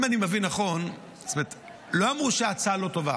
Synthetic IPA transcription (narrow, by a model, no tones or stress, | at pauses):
manimevinːaχo̞n | st̪ome̞t̪ | lo̞amʁuʃeat͡salo̞to̞va